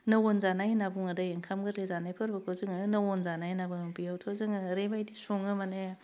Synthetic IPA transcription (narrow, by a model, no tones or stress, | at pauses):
nɯwonzanajnabuŋɯdajeŋkʰamɡɯɾezanajpʰɯɾbɯkʰɯzɯŋɯnɯwonzanajnabuŋɯpijawtʰozɯŋɾebajdisoŋɯmane